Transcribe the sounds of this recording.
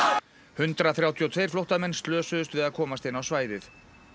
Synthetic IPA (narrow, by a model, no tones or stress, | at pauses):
hʏnt̪ɾaθɾjawt̪ʰiɔt̪ʰvejɾ̥flowht̪amɛnst̪lœːsʏðʏst̪vɪðaðkʰɔːmast̪ɪnːawsvaːjðɪθ